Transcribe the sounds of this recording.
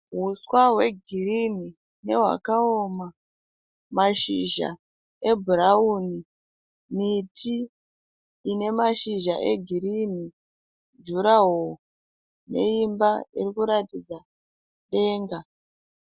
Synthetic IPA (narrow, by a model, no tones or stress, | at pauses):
ɦuswaɦwe̞ɡʱirini | ne̞ɦwa̰kaoma | maʃḭʒa̰ | e̞bʱuɾauni | mitʰiː | ne̞maʃiʒaʔe̞ɡʱiɾini | d͡ʒuɾaɦo | ne̞̰imbaiɾikuɾatid͡za | ɗe̞ːŋɡa